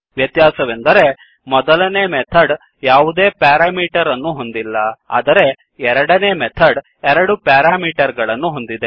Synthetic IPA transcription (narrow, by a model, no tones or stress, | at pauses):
ʋjɐt̪jaːsɐʋend̪ɐɾe̞ | mɔd̪ɐlɐneːmɛt̪ʰɐɖ | jaːʋud̪e̞ːpaːɾaːmiːʈɐɾɐnːuɦo̞nd̪ilːɐa̰ːd̪ɐɾe̞ | ɛɾɐɽɐne̞ːmɛt̪ʰɐɖ | ɛɾɐɽupaːɾaːmiːʈɐɾɡɐɭɐnːuɦo̞nd̪id̪e